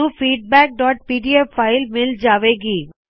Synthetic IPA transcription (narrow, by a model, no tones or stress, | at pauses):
ũfiɖ̚bɛk̚ɖɔːʈ̚piɖiepʰːaɪlmild͡ʑaːbeɡi